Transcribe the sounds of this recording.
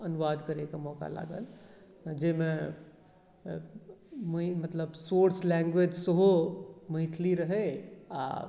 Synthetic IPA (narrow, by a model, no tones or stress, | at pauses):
ənuʋad̪kəɾekemɔːka̰la̰ːɡə̰l | d͡ʒemẽ | mmət̪ləbsoɾslɛ̃ŋɡʋed͡ʒsəɦoməɦit̪ʰliɾəɦɛa̰